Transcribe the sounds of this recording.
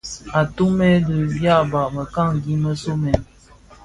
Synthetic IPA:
a˨tu˦mɛ˦lə˨bja˦˨ba˨ʔmə˨ka˦˨ŋɡi˨˦mə˦so˦mɛ˨

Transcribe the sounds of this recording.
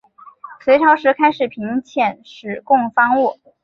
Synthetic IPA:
swe˧˥ɪʈ͡ʂʰɑ˧˥ʊʂɻ̩˧˥kʰa˥ɪʂɻ̩˨˩pʰi˧˥ŋt͡ɕʰjɛ˥˩nʂɻ̩˨˩kʊ˥˧ŋfɑ˥ŋu˥˩

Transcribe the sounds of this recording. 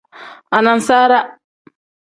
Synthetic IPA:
ʔa˨na˨nsaː˦ɾa˦

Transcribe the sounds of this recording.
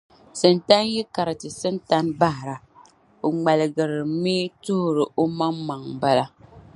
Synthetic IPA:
sɨ˨n˨ta˦n˦ji˦ka˨ɾɨ˨tɨ˨sɨ˦n˦ta˦nba˦hɾa˨ | o˨ŋ͡ma˨lɨ˨ɡɨ˨ɾɨ˨mi˦tu˦hɾɨ˨ʔo˦ma˦ŋma˨ŋba˦la˦

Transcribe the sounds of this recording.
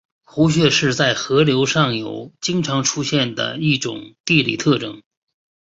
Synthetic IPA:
xu˧˥ɕ̬ɥɛ˥˧ʂɻ̩˥˧t͡sa˥˩ɪxɤ˧˥ljo˧˥ʊʂɑ˥˩ŋjo̰˨˩ʊt͡ɕi˥ŋʈ͡ʂʰɑ˧˥ŋʈ͡ʂʰu˥ɕjɛ˥˩nd̪ə̰˩i˥˩ʈ͡ʂʊ̰˨˩˦ŋt̪i˥˧lḭ˥˩t̪ʰɤ˥˩ʈ͡ʂɤ˥˩ŋ

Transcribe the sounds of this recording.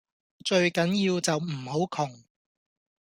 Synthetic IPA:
t͡ʃɵ˧ɥkɐ˨˥njiː˧wt͡sɐ˨wm̩˨˩ho˨˥wkʰʊ˨˩ŋ

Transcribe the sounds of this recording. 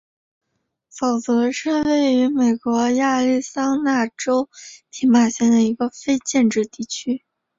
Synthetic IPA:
fɑ˨˩ʊt͡sɤ˧˥ʂɻ̩˥˧we˥˩ɪy˧˥me˨˩ɪkwɔ˧˥ja˥˧li˥˩sɑ˥ŋna˥˩ʈ͡ʂo˥ʊt̪ʰi˧˥ma˥˩ɕjɛ˥nd̪ə˨i˧˥ɡə˧fe˥ɪt͡ɕjɛ˥˧nʈ͡ʂɻ̩˥˧t̪i˥˩t͡ɕʰy˥

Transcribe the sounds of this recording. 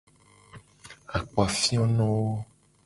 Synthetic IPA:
a˨k͡po˨a˨fĩ˦ɔ̃˦nɔ̃˦wo˦

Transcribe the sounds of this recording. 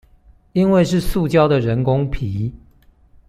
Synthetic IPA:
i˦nwe˥˧ɪʂɻ̩˥˨su˥˨t͡ɕjɑ˥ʊd̪ə˨ɻə˧˦nkʊ˦ŋpʰi˨˦

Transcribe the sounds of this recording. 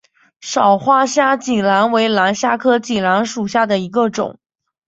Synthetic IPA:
ʂɑ˨˩ʊxwa˥ɕja˥t͡ɕi˨˩ŋla˧˥nwe˧˥ɪla˧˥nɕja˥kʰɤ˥t͡ɕi˨˩la˧˥nʂu˨˩ɕja˥˩d̪ə˩i˧˥ɡə˧ʈ͡ʂʊ̰˨˩˦ŋ

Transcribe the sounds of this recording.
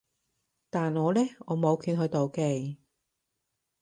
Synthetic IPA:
t̪aː˨nŋɔː˨˧lɛː˥ɔː˨˧mo˨˧wkʰyː˧nɦɵ˨˧t̪o˨wke˧j

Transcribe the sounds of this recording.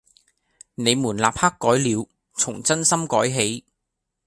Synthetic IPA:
ne˨˧jmuː˨˩nlaː˨p̚haː˥kːɔː˨˥jliː˨˧w | t͡sʰʊ˨˩ŋt͡sɐ˥nsɐ˥mkɔː˨˥jɦe˨˥j

